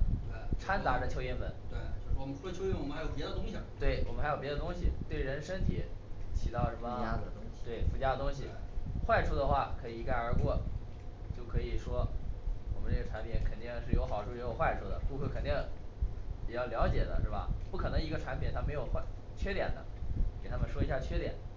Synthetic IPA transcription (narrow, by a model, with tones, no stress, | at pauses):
e˥˩ʈ͡ʂʰa˥nt̪a˧˥ʈ͡ʂə˥˧t͡ɕʰjo˥ʊjɛ˥˩nmə˧˥nt̪we˥˩o˥˧ʊ˩wɔ˥wɔ˨ə˦ʈ͡ʂʰu˥ət͡ɕʰo˥jɛ˥n˧wɔ˨m˥˧˥jpjd̪ə˧t̪ʊ˥ŋɕi˨t̪we˥˩ɪwɔ̰˨˩mə˥xa˧˥ɪjo˨˩pʲjʲɛ˧˥ə˧t̪ʊ˥ŋɕi˨t̪we˥˩ɪɻə˧˥nʂə˥nt̪ʰi˨˩t͡ɕʰi˨˧˩t̪ɑ˥˩ʊʂə˥˩mə˨˩˥ə˥ŋt̪we˥˩ɪfu˧˥t͡ɕja˥d̪ə˧t̪ʊ˥ŋɕ̬i˨xwa˥˩ɪʈ͡ʂʰu˥d̪ə˧xwa˥˩kʰɤ˧˥i˨˩˧ka˥˩ɪə˞˧˥kwɔ˥˩ | t͡ɕjo˥˩ʊkʰɤ˧˥i˨˩ʂwɔ˥wɔ˨˩mə˦nʈ͡ʂɤ˥˩ɡə˩ʈ͡ʂʰa˧˥npʰi˧˩˦nkʰə˨˩nt̪i˥˩˧ŋʂɻ̩˥˩jo˧˥ʊxɑ˨˩ʊʈ͡ʂʰu˥˩jo˧˥jo˨˩ʊxwa˥˩ɪʈ͡ʂʰu˥˩d̪ə̰˨ku˥˧xwə˥˩kʰə˨˩nt̪i˥˩ŋ | pi˨˩t͡ɕjɑ˥˩ʊljɑ˧˥ʊt͡ɕjɛ˨˩d̪ə̰˦ʂɻ̩˥˩bɐ̰˩pu˥˩kʰɤ˨˩nɤ˧˥ŋi˧˥ɡə˧ʈ͡ʂʰa˧˥npʰjɛ˨˩nt̪ʰa˥me˧˥ɪjo˨˩ʊxwa˥ | t͡ɕʰɥɛ˥t̪jɛ̰˨˩nd̪ə̰˦ke˨˩ɪt̪ʰa˥mə˨ʂwɔ˥i˧˥ɕja˥˩t͡ɕʰɥɛ˥t̪jɛ̰˨˩˦n